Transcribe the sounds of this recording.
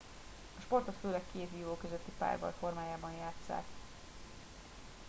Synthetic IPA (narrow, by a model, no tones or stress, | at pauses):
ɒʃpo̞rt̪ot̪føːlɛkkeːt̪jiːloːkøzøt̪ːipa̰ːrbɒ̰jfo̞rmaːjaːbɒnjaːt̪sa̰ːk